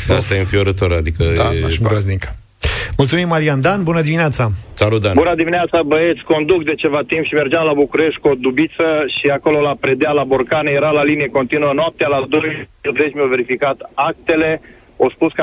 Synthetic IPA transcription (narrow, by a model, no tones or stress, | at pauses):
ast̪aenfioɾət̪oɾad̪ikəɾoznikə | mult̪sumimːaɾiand̪anbunəd̪imineat̪sasalut̪d̪anbunəd̪imineat̪sabəet̪sʲko̞nd̪ukd̪e̞t͡ʃe̞vat̪impʃime̞rd͡ʒamlabukuɾeʃt̪̚kod̪ubit̪səʃiako̞lolapɾed̪ealaborkanejeɾalalinijeko̞nt̪inuənoap̚t̪ealad̪ojuzet͡ʃmiove̞ɾifikat̪ak̚t̪e̞le̞ | ospusk